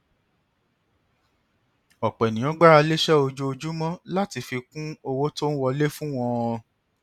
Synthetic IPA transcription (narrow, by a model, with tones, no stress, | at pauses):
ɔ˨k͡pɛ˨nĩ˨ɔ̃˨˦ɡ͡ba˦ɾa˧le˦ʃɛ˦o˧d͡ʒo˦o˧d͡ʒu˦mɔ̃˦la˦ti˧fi˧kũ˦o˧wo˦to˦n̩˦wɔ˧le˦fũ˦w̃ɔ̃˦˧ɔ˧